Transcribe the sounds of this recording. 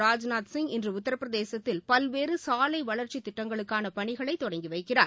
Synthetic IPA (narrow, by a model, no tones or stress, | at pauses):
aːd͡ʒnaːt̪sɪŋɡɪndrɯʊt̪ːɐɾɐpːɯɾɐðeːsɐt̪ːɪlpɐlʋeːrɯsaːlɐɪʋɐɭɐɾt͡ʃit̪ːɪʈːɐŋɡɐɭɯkːaːnɐpɐɳɪɣɐɭɐɪt̪ːɔɽɐŋɡiʋɐɪkːɪraːɾ